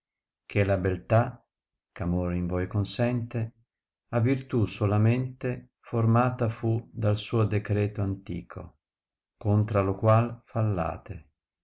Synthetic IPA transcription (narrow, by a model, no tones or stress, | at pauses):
k̟ʰelabelt̪a | kamoːɾiɱvɔjkonsɛnt̪e | avirt̪usolamɛnt̪e | foɾmaːt̪afud̪alsuːod̪ekɾɛːt̪oant̪ḭːkʰo̰ | kont̪ɾalokwalfalːa̰ːt̪e